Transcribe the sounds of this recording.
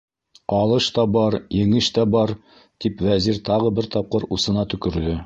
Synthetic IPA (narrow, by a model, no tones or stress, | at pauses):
ɑlˠɤʃt̪ɑbɑɾjɘ̆ŋɘʃt̪æbɑɾ | t̪ipwæziɾt̪ɑʁɤbɘɾt̪ɑp̚qɤɾusɤ̆nɑt̪ɵ̆kɵ̆ɾd̪ɵ